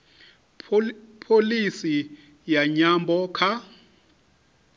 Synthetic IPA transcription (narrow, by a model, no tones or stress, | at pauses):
pʰolisi | jaɲambʱɔkʰa